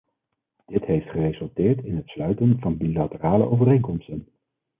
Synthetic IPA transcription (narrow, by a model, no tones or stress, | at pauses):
d̥ɪtɦejftχərezɵlˠtɪːɹtɪnɦətslœɥtənvɑnbilatəraːlə̰ʔowvərejŋkɔmstən